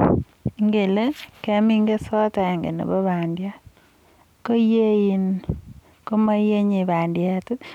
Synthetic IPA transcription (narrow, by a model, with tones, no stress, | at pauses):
ŋɡe˨le˦kɛ˨˦mi˦ŋɡe˦sɔ˦ta˨ŋɡḛ˨nḛ˨bo˦βa˨ndja˦ | ko˦je˦ji˨n | ko˦ma˦je˦ɲi˨ba˨ndja˦˨te˦t